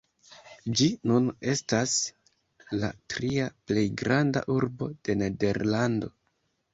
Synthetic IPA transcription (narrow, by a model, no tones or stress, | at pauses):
d͡ʒinune̞stas | la̰tɾiaple̞jɡɾanda̰ʔuɾbo̞d̥e̞ne̞de̞ɾlando̞̰